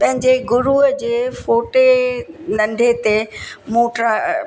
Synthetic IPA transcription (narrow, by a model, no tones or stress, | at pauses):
pɐ̃ɦɪ̃ɲd͡ʑeɡʊɾuɦəd͡ʑeːfoːʈenɐ̃nɖ̪ʱet̪emoːʈɾa